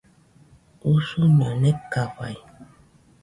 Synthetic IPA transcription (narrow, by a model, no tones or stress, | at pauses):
usuɲonekaɸa̰j